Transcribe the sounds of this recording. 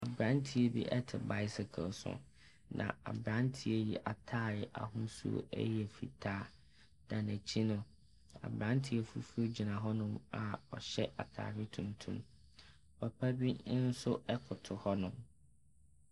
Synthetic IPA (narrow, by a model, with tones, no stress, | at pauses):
a˨bɾã˦ntʰi˦e˦bḭ˦ʔɛ˦tʰɪ̰˨ba˦ɪ˦sɪ˨kʰɪ̰˨lsʊ̰̃˨ | nʔã̰˨a̰˨bɾã˦n˦tʰi˦e˦jḭ˨ʔa˨tʰaː˦ɾɪ˨ʔa̰˨ɦũ˦sṵ˦ɛ̰˦jɛ˨fḭ˨tʰaː˦ | d̥ã˨næ˨t͡ɕʰi˦nʊ̃˨ | a̰˨bɾã˦ntʰi˨˦e˨fu˦fo˦d͡ʑi˨nã˨ɦɔ˦nʊ̃˦ma˨ɔ˨ɕɛ˦ʔa̰˨tʰa̰ː˨ɾɪ˦tʰũ˨mtʰũ˦m | pa˨pʰæ˦bi˦n̩˦sʊ˦ɛ˦kʰʊ˨tʰʊ˨hɔ˦nʊ̃˨m